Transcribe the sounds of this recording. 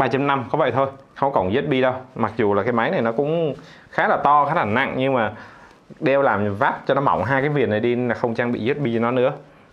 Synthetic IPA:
ɓaː˧t͡ɕa˧mna˧mkɔ˨˦və̰˧˨jt̪ʰo˧jxə˧wŋ͡mkɔ˨˩nze˦˥t̚ɓi˧ɗə˧wma˨˩k̚zu˨˩laː˨˩kaː˨˦jma˨˦jna˨˩jnɔ˨˦kʊ̰˧˥ŋ͡m | xaː˨˦˥laː˨˩t̪ɔ˧xaː˨˦˥laː˨˩na̰˧˨ŋɲɨ˧ŋmaː˨˩ | ɗe˧wlaː˨˩mvaː˦˥p̚t͡ɕɔ˧nɔ˨˦ma̰˧˩wŋ͡mɦaː˧jkaː˨˦jvi˨˩ət̚na˨˩jɗi˧laː˨˩xə˧wŋ͡mt͡ɕaː˧ŋɓḭ˧˨ze˦˥t̚ɓi˧t͡ɕɔ˧nɔ˨˦nɨ̰˧˥ə

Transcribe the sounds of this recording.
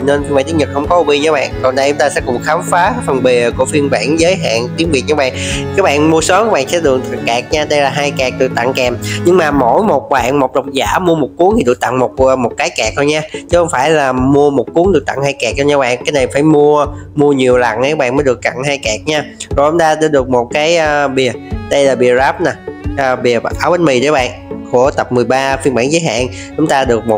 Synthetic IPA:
nə˧ni˧mɓaː˧˨nʰi˨˦˥ɲə˨˩t̚xə˧wŋ͡mkɔ˨˦ʔo˧ɓi˧ɲə˨˦ɓa̰ː˧˨nkɔ˨˩nɗə˧jt͡ɕʊ˧˦ŋ͡mt̪aː˧sɛ̰˧˥kʊ˨˩ŋ͡mxaː˨˦mfaː˨˦fə˨˩nɓi˨˩ku˧˩əfi˧ənɓa̰ː˧˩˨nzəː˨˦jɦa̰ː˧˨nt̪i˨˦ənvi˨˩ət̚ɲəː˨˧˦ɓaː˧˨nkaː˨˦˥ɓa̰ː˧˨nmu˧əsəː˨˦mkaː˨˦˥ɓa̰ː˧˨nsɛ̰˧˥ɗɨ˨˩ək̚t̪ʰa˨˩ŋkɛː˨˩k̚ɲaː˧ɗə˧jlaː˨˩ɦaː˧jkɛː˨˩k̚t̪ɨ˨˩t̪a̰˧˨ŋkɛ˨˩mɲɨ˧ŋmaː˨˩mo˧˩jmo˨˩t̚ɓa̰ː˧˨nmo˨˩t̚ɗə˨˩wŋ͡mzaː˧˩mu˧əmo˨˩t̚ku˨˦ŋt̪i˨˩ɨ̰˧˩t̪a̰˧˨ŋmo˨˩t̚ːmo˨˩t̚kaː˨˦jkɛ˨˩k̚t̪ʰo˧jɲaː˧t͡ɕɨ˦˥xə˧wŋ͡mfaː˧˩jlaː˨˩mu˧əmo˨˩t̚ku˨˦ŋɗɨ˨˩ək̚t̪a̰˧˨ŋhaː˧jkɛ˨˩k̚o˧ɲaː˧˥ɓa̰ː˧˨nkaː˨˦jna˨˩jfaː˧˩jmu˧əmu˧əɲi˨˩əwla̰˧˩nʔə˧˦˥ɓa̰˧˨nməː˨˦jɗɨ˨˩əkːa̰˧˨ŋɦaː˧jkɛ˨˩k̚ɲaː˧zo˨˩jt͡ɕʊ˨˦ŋ͡mt̪aː˧ɗaː˧˥ɗɨ˨˩ək̚mo˨˩t̚kaː˨˦jʔəː˧ɓi˨˩əɗə˧jlaː˨˩ɓi˨˩əzaː˦˥p̚naː˨˩ʔːɓi˨˩ə˩ʔaː˧˩wɓə˧˦nmi˨˩ɗə˨˦ɓa̰ː˧˨nku˧˩ət̪ə˨˩p̚mɨ˨˩jɓaː˧fi˧nɓaː˧˩˨nzəː˨˦jɦa̰ː˧˨n | t͡ɕʊ˨˦ŋ͡mt̪aː˧ɗɨ˨˩ək̚mo˨˩

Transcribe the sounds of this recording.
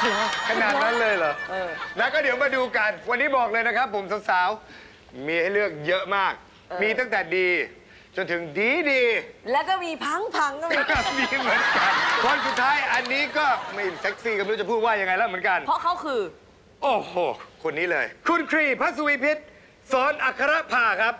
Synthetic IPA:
kʰa˧naː˨˩t̪̚na˦˥nlɤː˧jlɔː˨˩˦na˦˥kɔː˥˩di˩˦wmaː˧duː˧ka˧nwa˧nːiː˦˥bɔː˨˩k̚lɤː˧jna˦˥kʰɾa˦˥pʰːo˩˦msa˨˦wsaː˨˦w | miː˧ha˥˩jlɯ˥˩ək̚jɤ˦˥ʔmaː˥˩k̚ | miː˧t̪a˥˩ŋt̪ɛː˨˩diː˧ | t͡ɕo˧nt̪ʰɯ˨˩˦ŋdiː˨˦diː˧lɛ˦˥wkɔː˥˩miː˧pʰa˦˥ŋpʰa˦˥ŋ˥˩miː˧mɯ˨˦ənka˧nkʰo˧nsu˨˩t̪ʰːaː˦˥jʔa˧nːiː˦˥kɔː˥˩ma˥˩je˨˧˩nsɛ˦˥k̚siː˧˩ka˧m˦˥t͡ɕa˨˩pʰuː˥˩waː˥˩ja˧ŋa˧jlɛ˦˥˩mɯ˩˦ənŋka˧npʰɔ˦˥kʰa˦˥wkʰɯː˧ | ʔoː˨˧˩hoː˨˩kʰo˧nːiː˦˥lɤ̰ː˧jkʰu˧nkʰɾiː˨˩pʰa˦˥t̪̚su˧wiː˧pʰi˦˥t̪̚ | sɔː˩˦nʔa˨˩kʰːa˧ɾa˦˥ʔpʰaː˨˩kʰɾa˦˥p̚

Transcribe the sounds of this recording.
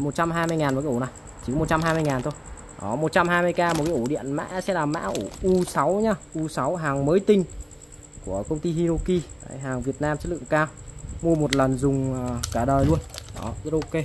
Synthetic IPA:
mo˨˩t̚t͡ɕa˧mɦaː˧jmɨ˧əjŋaː˨˩nː˨˩kːa˨˦u˧˩na˨˩j | t͡ɕi˨˩kɔ˨˦mo˨˩t̚t͡ɕa˧mhɦaː˧jmɨ˧jŋaː˨˩nt̪ʰo˧j | ɗɔ˨˦mo˨˩t̚t͡ɕa˧mɦaː˧jm˧əjkaː˧mo˨˩kaː˨˦ʔo˧˩ɗḭ˧˨ənma̰ː˧˥sɛ̰˧˥laː˨˩ma̰ː˧˥ʔu˧˩ʔu˧sa˨˦wɲaː˧ʔu˧sa˨˦wɦaː˨˩ŋməː˨˦jt̪ï˧ŋ̟ | ku˧˩əkə˧wŋ͡mt̪i˧hi˧zo˧ki˧a˧˩jɦaː˨˩ŋvi˨˩ət̚naː˧mt͡ɕə˦˥tlɨ̰˧˨ə˨ŋkaː˧wmu˧əmo˨˩t̚lə˨˩nzʊ˨˩ŋ͡mkaː˧˩ɗəː˨˩jlu˧ənɗɔ̰˨˦i˧ɾo˧ke˧

